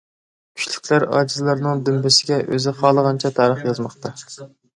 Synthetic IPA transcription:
kʲʰy̥t͡ʃlykʲlæɾɑ̰ːd͡ʒizlˠɑɾnɨŋd̪ymbɪsɪɡʲɛʔøzɪqʰɑːlˠəʁɑnt͡ʃʰɛt̪ʰɑːɾəχjɑzmɑχt̪ɑ

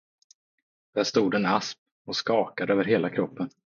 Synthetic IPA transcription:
d̪̥æʂt̪uːd̪ɛnasp̚ | ɔskɑːkad̪əøːvəɾɦeːlakʰɾɔpːən

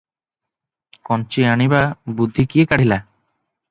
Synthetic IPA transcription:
kɔnt͡ɕianibabud̪ʱːikiekaɽ̤ila

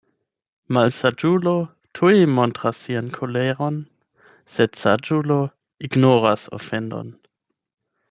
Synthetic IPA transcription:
malsad͡ʒulo̞ | tʰuimontʁasːiankʰoleʁo̞n | sed̥sad͡ʒulo̞ | iɡnoʁaso̰fe̞ndo̞̰n

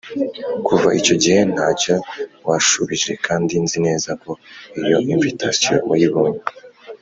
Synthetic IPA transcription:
kuvaʔico̞ɟihe̞n̥haːcowaʃuβiʒe̞kʰaːndinzine̞ːzako̞ijo̞iɱvitasijo̰mujiβoma

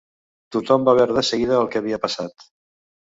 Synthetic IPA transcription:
t̪ut̪ɔmbaβɛɾðəsəɣiðəːlˠkəəβ̞iəpəsat̪

